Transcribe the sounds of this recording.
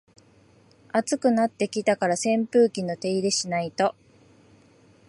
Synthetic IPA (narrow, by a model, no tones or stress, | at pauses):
at͡sɨkɯ̟nat̪ːe̞kʲit̪akaɾasẽ̞mpɯ̟ːkʲino̞t̪e̞iɾe̞ɕinait̪o̞